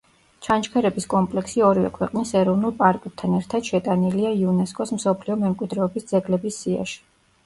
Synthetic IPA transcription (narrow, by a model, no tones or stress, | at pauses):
t͡ʃʰant͡ʃkʰɛɾɛbiskʼɔmpʼlɛksiɔɾivɛ̰kʰwɛqʼnisɛɾɔvnulˠpʼaɾkʼɛp̚t̪ʰanɛɾt̪ʰad̪̥ʃɛt̪ʼaniliaiunɛskʼɔsm̩sɔpʰliɔmɛmkʼwid̪ɾɛɔbisd̪zɛɡlɛbisːia̰ʃi̥